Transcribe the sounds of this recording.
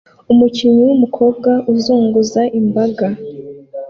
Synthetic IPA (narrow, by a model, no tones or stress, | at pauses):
umuciɲiwumukʰo̞ːb̚ɡaʔuzuːŋɡuzaʔimbaɡa